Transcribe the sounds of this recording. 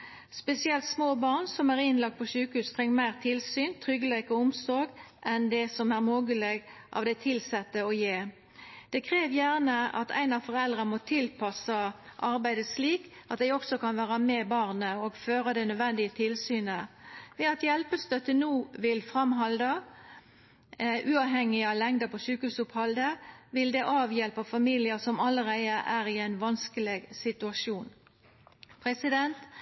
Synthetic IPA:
spɛsɪɛlt̪smoːbɑʁnsɔmæʁɪnlɑk̚t̪̚pʰɔʃʉːkəhʉːst̪ʰʁɛŋːmæɪʁt̪ʰɪlsyːnt̪ʰʁʏɡəleːkɔʊmsoːɡʔɛnd̪ɛsɔmæʁmoːɡəleɡʔɑ̰ʋd̪ɛt̪ʰɪlsɛt̪ːəɔjeː | d̪̥ɛkʰʁeːʋjæːʁnəɑ̰t̪ʰæ̰ɪnɑʋfɔʁɛld̪ʁəmɔt̪ʰɪlpʰɑsɑʔɑʁbæɪd̪əsliːk | ʔɑt̪d̪ɛɪɔksɔkɑnʋæːʁɑmɛbɑʁnəoɡføːʁəd̪ɛnœd̪ʋɛnd̪ɪət̪ʰɪlsyːnəʋɛɑt̪jɛlpəst̪œt̪ːənuːʋɪlfʁɑmɦɑld̪ə | ʔʉːɑːʋɦɛŋːɪɑlɛŋd̪əpʰɔsʉːkəhʉːsʊphɑld̪əʋɪld̪ɛʔɑːʋjɛlpɑfɑmiːlɪəsɔmɑləɾæɪəʔæːɾɪæɪnʋɑnskəleɡsɪt̪ʉɑʂuːn | pʰʁɛsɪd̪ɛnt̪

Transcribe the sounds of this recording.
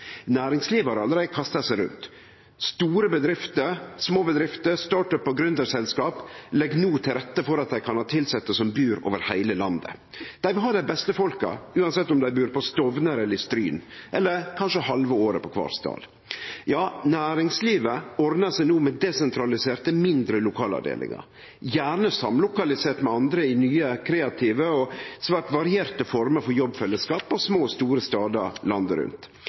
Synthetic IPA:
næːɾɪŋsliːʋəhɑɾɑlːəɾɛɪəkʰɑst̪əsæɪɾʉ̰nt̪ | st̪uːɾəbəd̪ɾɪft̪əɾsmoːbəd̪ɾɪft̪əɾst̪ɑːʈœpːɔɡɾʉnd̪əɾsɛlskɑːplɛɡːnuːt̪ʰɪlɾɛt̪ːəfɔɾɑt̪̚d̪æɪkʰɑnhɑːt̪ʰɪlsɛt̪ːəsɔmbyːɾo̰ːʋəɾhæɪləlɑnd̪ə̰ | d̪̥æɪʋɪlɦɑːɖæɪbɛst̪əfɔlkɑ̰ʉːɑnsɛt̪ːɔmd̪æɪbʉːɾpʰɔst̪ɔʋnəɾɛləɾɪst̪ɾyːnʔɛlːəɾkʰɑnʂəhɑlʋəoːɾəpɔkʰʋɑ̰ːɾst̪ɑ̰ːl | jɑːnæːɾɪŋsliːʋəɔɾd̪nəsɛɪnuːmɛd̪ɛsɛnt̪ʰɾɑlɪseːɾt̪əmɪnd̪ɾəlʊkʰɑːlɑ̰ɖḛːlɪ̰ŋɑ̰ɾ | jæːɳəsɑmlʊkɑlɪseːʈmɛɑnd̪ɾəɪnyːəkʰɾeːɑt̪ʰiːʋəɔsʋæːʈʋɑɾɪeːɾt̪əfɔɾməɾfɔɾjɔbfɛlːəskɑːpɔsmoːst̪uːɾəst̪ɑːd̪əlɑnd̪əɾʉ̰nt̪

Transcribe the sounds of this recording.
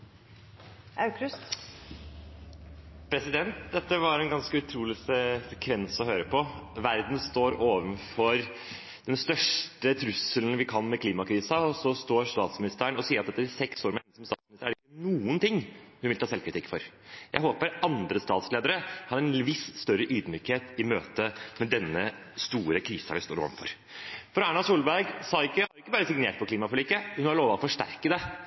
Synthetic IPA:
ʔɑʉkɾʉst̪ | pʰɾɛsɪd̪ɛnt̪d̪ɛt̪ːəʋɑɾɛnɡɑnskəʉt̪ʰɾuːlɪsɛsɛkʰʋɛnsɔɦøːɾəpʰɔʋæɾd̪nst̪oːɾoːʋənfɔɾ | d̪̥ɛnst̪œʂʈət̪ʰɾʉsəln̩ʋɪkʰɑnːmɛkʰliːmɑkʰɾiːsəɔsɔst̪oːɾst̪ɑ̰ːt̪smɪnɪst̪əəɳɔsiːɾɑt̪ɛt̪ːəɾsɛksoːɾmɛnsɔmst̪ɑ̰ːt̪smnɪst̪əɾæɖɾɪkːənuːənt̪ɪŋːhʉnʋɪt̪ɑːsɛlkʰɾɪt̪ɪkːfɔɾjæɪɦoːpəɾʔɑnd̪ɾəst̪ɑ̰ːt̪sleːd̪əɾəhɑɾɛnʋɪsst̪œɾəʔyːd̪myːkheːt̪ɪmøːt̪əmɛd̪ɛnːəst̪uːɾəkʰɾiːsɑ̰ʋɪst̪oːɾo̰ːʋnfɔ̰ɾ | fɔɾæːɳɑsuːlbæɾɡsɑːɪkːəhɑɾɪkːəbɑːɾəsɪɡneːʈ̚pʰɔkʰliːmɑfɔɭiːkəhʉnhɑɾɭoːʋɑɔfɔʂʈæ̰ɾkəd̪ɛ

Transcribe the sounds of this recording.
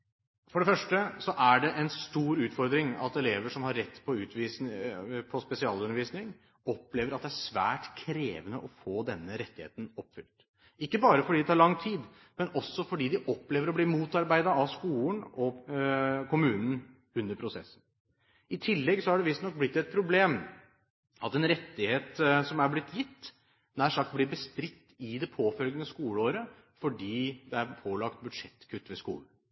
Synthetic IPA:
fɔɖɛfœʂʈəsɔʔæɖɛʔɛnst̪uːɾʉːt̪fɔɾd̪ɾɪŋɑ̰t̪ɛleːʋəʂɔmhɑɾːɛt̪ːpʰɔʉːt̪ʋispʰɔspɛsɪɑːlʉnəɾʋiːsnɪŋ | ɔpːleːʋəɾɑt̪d̪ɛæʂsʋæ̰ːʈkʰɾeːʋənəʔɔfoːd̪ɛnːəɾɛt̪ːɪhḛːt̪nɔpːfʏlt̪ | ɪkːəbɑːɾəfɔɖid̪ɛt̪ʰɑɭɑŋːt̪ʰiːd̪ | mɛnɔsːɔfɔɖiːd̪ɪʔɔpːleːʋəɾɔbliːmuːt̪ɑɾbæɪd̪ɑɑskuːlnɔ | kʊmʉːnn̩ | ʉnːəɾpʰɾʊsɛ̰sːən̩ | ɪt̪ʰɪlːɛɡsɔhɑɖɛʋɪst̪nɔk̚blɪt̪ːɛt̪̚pʰɾʊbleːm | ʔɑt̪ɛnɾɛt̪ːɪheːt̪sɔmæɾblɪt̪ːjɪt̪ː | næːʂɑkt̪̚bliːɾbəst̪ɾɪt̪ːɪd̪ɛpʰoːfœlɡənəskuːləoːɾə | fɔɖiːd̪ɛæɾpʰoːlɑkt̪̚bʉd̪ʂɛt̪ːkʰʉt̪ːʋɛskṵːln̩

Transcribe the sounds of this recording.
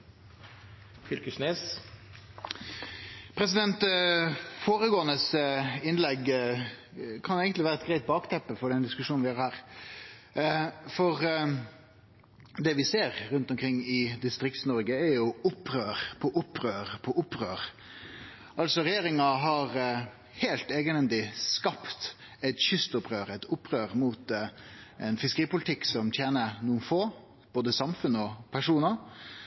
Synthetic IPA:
fʏlkəsneːs | pʰɾɛsɪd̪ɛnt̪ | foːɾəɡoːənəsɪnlɛɡ | kʰɑneːɡənlɪʋæːɾəɛt̪ɡɾæɪt̪̚bɑːkt̪ʰɛpːəfɔɖɛnd̪ɪskʉʂuːnnʋɪhɑːɾhæːɾ | fɔʁ | d̪ɛʋɪseːɾɾʉnt̪ɔmkʰɾɪŋːɪd̪ɪst̪ɾɪk̚t̪snɔɾɡəɛɾjʊʊpːɾøːɾpʰɔʔʊpːɾøːɾpʰɔʔʊpːɾøːɾ | ʔɑlsɔɾɛjeːɾɪŋɑɦɑɾ | hɛːlt̪eːɡənɛnd̪ɪskɑpt̪ɛt̪çʏst̪ʊpʁøːɾɛt̪ʊpːʁøːɾmuːt̪ | ɛnfɪskəɾiːpʊlɪt̪ʰɪksɔmt̪ʰjeːnənuːənfoː | b̥oːd̪əsɑmfʉnəɔpʰæʂuːnɑ

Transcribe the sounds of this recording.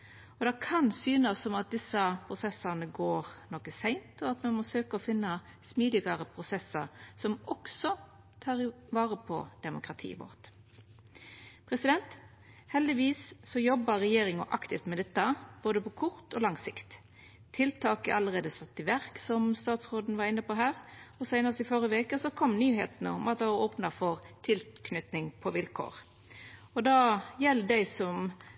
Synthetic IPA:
ɔd̪ɛkʰɑnsyːnəsːɔmɑt̪̚d̪ɪsːəpʰɾʊsɛsːɑʁnəɡoːʁnɔkəsæɪnt̪ʰɔɑt̪mɛnmɔsøːkəɔfɪnːɑ | smiːd̪ɪɡɑɾəpʰʁʊsɛsːəʁsɔmɔksɔ | t̪ʰɑːʁ | ʋɑːʁəpʰɔ̰d̪̥ɛmʊkʁɑt̪ʰḭːʋo̰ʁt̪ | pʰʁɛsɪd̪ɛnt̪ | hɛld̪ɪʋiːsːɔjɔbːɑɾɛjeːɾɪŋɑʔɑkt̪ɪft̪mɛd̪ɛt̪ːɑb̥oːd̪əpɔkʰʊʁt̪ʰɔlɑŋsɪkt̪ | t̪ʰːɪlt̪ʰɑːkəʔɑlːəʁeːd̪əsɑt̪ːɪʋæʁksɔmst̪ɑːt̪sʁoːd̪n̩ʋɑʁɪnːəpoɦæːʁɔsæɪnəst̪ɪfɔʁjəʋeːkəsɔkʰɔmnyːɦḛːt̪ənəʊmɑt̪ʋɑɑɾoːpnɑfɔʁt̪ʰɪlkʰnʏt̪nɪŋpʰɔʋɪlkʰo̰ːʁ | ɔd̪ɑjɛlːd̪æɪsɔm

